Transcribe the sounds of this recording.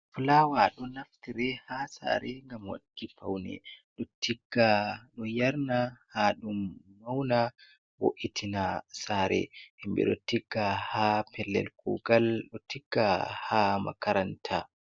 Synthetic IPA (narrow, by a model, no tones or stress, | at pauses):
flawaɗɔnaftiɾɛhasa̰ːɾɛŋɡamwa̰ɗkːifa̰wnɛ̰ɗɔtʰiɡ̥ːaɗɔjaɾnahaɗumːawna | wo̰ʔitʰinasaɾɛ̰hɛmbɛ̰ɗɔtiɡ̥ːahapʰɛlːɛ̰lkuɡalɗɔtiɡ̥ːahama̰kaɾantʰa